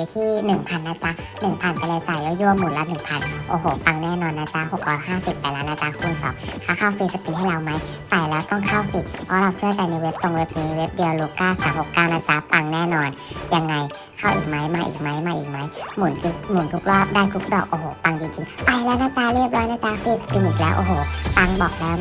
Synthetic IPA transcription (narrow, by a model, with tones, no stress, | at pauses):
t̪ʰiː˥˩nɯ˨˩ŋpʰa˧˩nːaː˧˥t͡ɕa˦˥ | nɯ˨˩ŋpʰa˨˩nt̪a˧lɛ˧t͡ɕaː˨˩jlɛː˧˥˩ju˧˩ə˨muː˨˩˦nla˦˥nɯ˨˩ŋpʰa˧˩nʔoː˧˩ɦoː˨˧˩pa˧ŋnɛː˥˩˨nɔː˧nːaː˧˥t͡ɕaː˧˥ɦo˨˩k̚ɾɔː˦˥jɦaː˥˩si˨˩p̚t̪ɛː˨˩la˦˥naː˧˥˩t͡ɕaː˧˥kʰu˧˩˨nsɔ̰˨˩˦p̚kʰaː˧˩kʰa˥˩wsi˧˩sa˧p̪i˨˧˩ɦa˥˩jla˧wma˦˥j | t̪aː˨˩jlɛː˦˥wt̪ɔ˥˩ŋkʰa˥˩wsi˨˩t̚pʰɔ˧˦˥ɾa˧wt͡ɕʰɯ˥˩ət͡ɕaː˨˩jni˧we˦˥p̚t̪o˧ŋwe˦˥p̚niː˧˥we˦˥p̚di˧əwluː˧˩kaː˥˩saː˨˦ɦo˨˩kːaː˥˩naː˧˥t͡ɕa˧˥pa˧ŋnɛː˥˩nɔː˧nja˧ŋːa˧j | kʰa˥˩wʔḭː˨˩k̚ma˦˥jmaː˧ʔḭː˨˩k̚ma˦˥jmaː˧ʔiː˨˩k̚ma˦˥jmu˨˩˦nt͡ɕi˧˩k̚muː˨˩˦nt̪ʰu˦˥k̚lɔː˥˩p̚daː˥˩jt̪ʰu˦˥k̚dɔː˧˩k̚ʔoː˧˩ɦoː˨˩˦pa˧ŋt͡ɕi˧ŋt͡ɕi˧ŋpa˧˩jlɛː˦˥naː˧˥t͡ɕaː˧˥lɯ˥˩əp̬̚lɔː˦˥jnaː˧˥˩t͡ɕaː˧˥feː˧˩sḁ˧pi˧nʔiː˨˩k̚lɛː˦˥wʔo̰ː˧˩ɦoː˩pa˧ŋbɔː˨˩k̚lɛː˦˥w